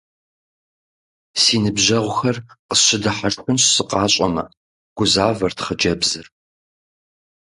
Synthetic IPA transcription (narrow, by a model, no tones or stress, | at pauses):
siːnɨbʑɐʁʷʊxɐrqəɕɪdɨħaʂtxɨnɕsɨqɑːɕʼɐmɐ̰ | ɡ̥ʷʊzaːvɐrtʰχəd͡ʒɐbzɨr